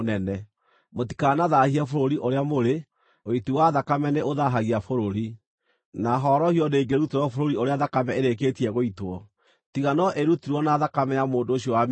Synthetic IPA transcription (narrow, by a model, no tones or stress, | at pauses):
nɛnɛ | moti̥kanaðahiafoɾoɾiʔoɾeamoɾe | oitiwaðakamɛneoðaɦaɣiafoɾoɾi | naɦɔɾɔhiɔneiɡeɾuteɾɔfoɾoɾioɾeaðakamɛeɾek̬etiɛɣoitwɔ | tiɣanɔʔeɾutiɾwɔnaðakamɛjamoːndoːɕiɔwam